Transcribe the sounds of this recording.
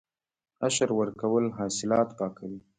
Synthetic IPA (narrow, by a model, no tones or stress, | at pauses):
aʃəɾwəɾkawəlɦɑsɪlɑt̪pɑkawi